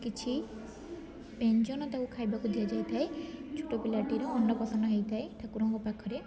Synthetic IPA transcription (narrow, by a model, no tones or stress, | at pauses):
kit͡ʃʰi | peɲd͡ʒɔnɔt̪akukʰajbakud̪iad͡ʒajt̪ʰaet͡ʃʰuʈɔpilaʈiɾɔɔnɖɔpɔsɔnɖɔɦejt̪ʰaet̪ʰakuɾɔŋkɔpakʰɔɾe